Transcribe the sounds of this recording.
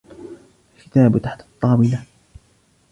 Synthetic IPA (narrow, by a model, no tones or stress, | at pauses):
kɪ̥t̪aːbt̪aħt̪ɑt̪ˤːɑːmɪla